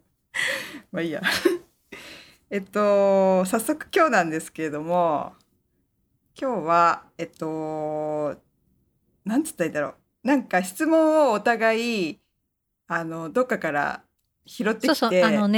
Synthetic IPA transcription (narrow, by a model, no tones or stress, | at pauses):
maija̰ | e̞t̪ːo̞sasːo̞kɯ̟̥kʲo̞ːnãnd̪e̞sɨ̥ke̞ɾe̞d̪o̞mo̞ | kʲo̞ːβae̞t̪ːo̞ | nãnt͡ɕ̪ɨ̥t̪ːaĩnd̪aɾo̞ | nãŋkaɕi̥t͡sɨmõ̞ɰ̃oːt̪aɡai | ano̞d̪o̞kːakaɾa̰ | çiɾo̞t̪ːeit̪eaon